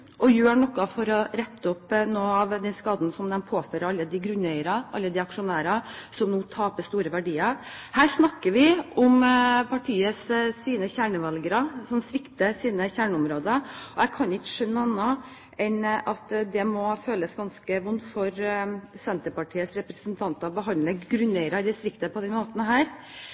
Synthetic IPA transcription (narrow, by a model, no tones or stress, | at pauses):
ɔjøːɳɔkːɑfɔɾɔɾɛt̪ːɔpnoːɑʋd̪ɛnskɑːd̪n̩sɔmd̪ɛnpʰoːføːɾəɾɑlːəd̪ɪɡɾʉnːɛɪəɾɑʔɑ̰lːəd̪ɪɑkʂʊnæːɾɑsɔmnuːt̪ʰɑːpəst̪uːɾəʋæɖiːɑhæːɾʂnɑkːəɾʋɪʊmpʰɑʈʰiːəsːiːnəçæːɳəʋɑlɡəɾɑsɔmsʋɪkt̪əsiːnəçæːɳʊmɾoːd̪əɔjæɪkʰɑnɪkːə̥ʂœnːəɑnːɑ | ɛnʔɑt̪d̪ɛmɔføːləsɡɑnskəʋʊnt̪fɔɾsɛnt̪əpɑʈʰiːəsɾɛpɾəsnt̪ʰɑnt̪ɑbəɦɑnləɡɾʉnːɛɪɾɑd̪ɪst̪ɾɪkt̪əpʰɔd̪ɛnmoːt̪ənəɦæːɾ